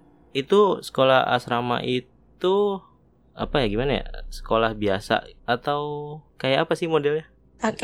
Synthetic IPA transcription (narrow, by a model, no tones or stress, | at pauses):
it̪usə̥kola̰a̰sɾama̰ʔit̪u | a̰pajaɡimanaja̰sə̥kolahbiasa̰at̪awkajaʔːpasɪhmodɛlja | a